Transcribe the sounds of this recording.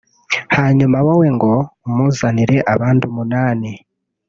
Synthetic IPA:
haːɲumawoweŋɡo̞muzaniɾe̞ʔaβaːndumunaːne

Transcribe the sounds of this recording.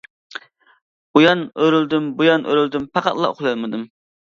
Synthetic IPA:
ujɑnøɾyld̪ymbujɑnʔø̰ɾyld̪ympʰɑqɑ̰t̪lˠɑ̰o̰χlˠɑlmɨd̪ɨm

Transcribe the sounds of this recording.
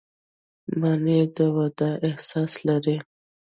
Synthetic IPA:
maned̪əwad̪aʔɪhsɑslaɾi

